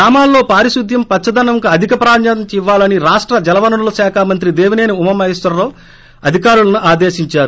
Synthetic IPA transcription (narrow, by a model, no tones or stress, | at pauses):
aːmaːlːo̞ːpaːɾiʃud̪jɐmpɐtt͡ʃːɐd̪ɐnɐŋkɐɐd̪ʱikɐpɾaːɾɲɐɐt͡ʃiʋːaːlɐniɾaːʂʈɾɐd͡ʒɐlɐʋɐnɐnulɐsaːkʰaːmɐnt̪ɾid̪eːʋine̞ːniumɐmɐɦisʋɐɾːoː | ɐd̪ʱikaːɾulɐnuʔaːd̪e̞ːʃiɲt͡ʃaːɾu